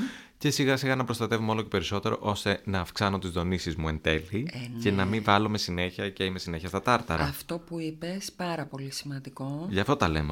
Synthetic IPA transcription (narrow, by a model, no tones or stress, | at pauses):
ce̞siɣɐsiɣɐnɐpɾost̪ɐt̪e̞vumeo̞lo̞ce̞pe̞ɾiso̞t̪e̞ɾo̞̰ʔo̞st̪e̞nɐːfksɐno̞t̪izðo̞nisizmue̞nd̪e̞lice̞nɐmivɐlo̞me̞sine̞çiɐceime̞sine̞çɐst̪ɐt̪ɐɾt̪ɐ̰ɾɐ̰ɐft̪o̞puipespɐɾɐpo̞lisimɐnd̪iko̞ʝɐft̪o̞t̪ɐle̞me